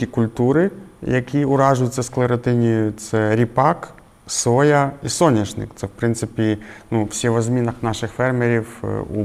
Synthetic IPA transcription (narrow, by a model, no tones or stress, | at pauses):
ikʊlʲt̪uɾɪjɐkʲiʊɾɑʒʊjʊt͡sʲːɐsklˠeɾɐt̪ɪnʲijʊt̪sɛɾʲipɑk | sɔjɐisɔnʲiʒnɪ̰kt̪sɛwpɾɪnt̪sɪpʲinuw̥sʲɛʋɐzʲmʲinɐxnɑʃɪxfɛrmeɾʲiwṵ